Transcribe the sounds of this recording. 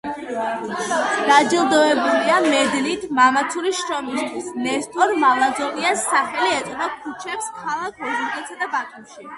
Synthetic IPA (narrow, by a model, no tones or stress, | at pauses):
d̪̥ad͡ʒɛlˠd̪ɔɛbuliamɛd̪nit̪ʰmamat̪sʰuɾiʃɾɔmist̪ʰwisnɛɾt̪ʰɔɾmalˠazɔniasːaχɛliɛt̪ʼnɔkʰut͡ʃʰɛpskʰalˠakʰɔd͡ʒuɡɛt̪sad̪abat̪ʰʼumʃi